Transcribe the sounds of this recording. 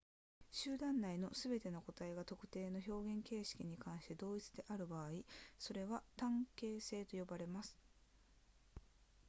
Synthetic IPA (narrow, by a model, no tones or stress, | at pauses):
ɕɨːd̪ãnːaino̞sɨbe̞t̪e̞noko̞t̪aeɡat̪o̞kɯ̟̥t̪e̞ːno̞ço̞ːɡẽ̞ŋke̞ːɕi̥kʲiɲ̟ikãɰ̃ɕi̥t̪e̞d̪o̞ːit͡sɨ̥d̪e̞ʔaɾɯ̟baːiso̞ɾe̞βat̪ãŋke̞ːse̞ːt̪o̞jo̞baɾe̞masɨ̥